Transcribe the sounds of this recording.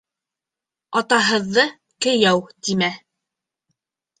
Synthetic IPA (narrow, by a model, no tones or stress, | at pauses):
ɑt̪ɑɦɤ̆ðːɤ | kɘ̆jæwt̪imæ